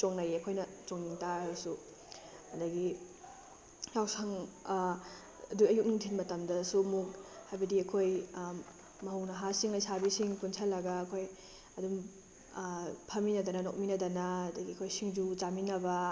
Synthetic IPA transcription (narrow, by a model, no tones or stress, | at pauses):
t͡ʃoŋnɐjeɐkʰojnɐt͡ʃoŋniŋtaɾusu | ɐdɐɡi | jawsaŋ | ɐduɐjuk̚niŋtʰinmɐtɐmdɐsumuk̚hajbɐdiɐkʰoj | mɐɦuwnɐɦasiŋlɐjsabisiŋkunsʰɐlːɐɡaːkʰoj | ɐdum | pʰɐminɐdɐnɐnok̚minɐdɐnaɐdɐɡiɐkʰojsiŋd͡ʒut͡ʃaminɐbɐ